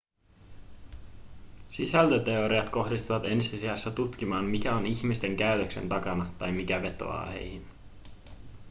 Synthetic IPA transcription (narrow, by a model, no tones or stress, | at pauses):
sisælt̪ət̪e̞o̞ɾiɑt̪ko̞xdist̪uʋɑt̪e̞nsisiɑsːɑt̪ut̪k̟imɑːmmikæo̞niçmist̪e̞ŋkæɥt̪økse̞̰nt̪ɑkɑnɑt̪ɑjmik̟æʋe̞t̪o̰ɑ̰ːhe̞̰jhin